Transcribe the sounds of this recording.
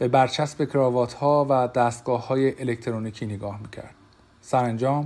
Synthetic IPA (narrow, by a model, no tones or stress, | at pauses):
b̥e̞bæɾt͡ʃʰæsbe̞cʰɾɒːvɒːt̪ʰhɒːvæd̪æːst̪̚ɡ̥ɒːhːɒːjeʔelect̪ʰeɾoniːcʰiːneɡɒːhmiːcʰæ̰ɾd̪̥̚ | sæɾænd͡ʒɒːm